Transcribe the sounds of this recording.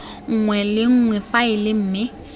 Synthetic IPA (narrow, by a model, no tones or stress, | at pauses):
ŋ̩ŋwɛlɪŋ̩ŋwɛfaɪlɪm̩ːmɪ